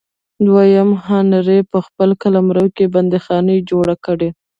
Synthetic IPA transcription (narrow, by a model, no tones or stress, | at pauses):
d̪wajamhɑnaɾepəxpəlkalamɾəwkeband̪exɑnəd͡ʒoɽakəɽe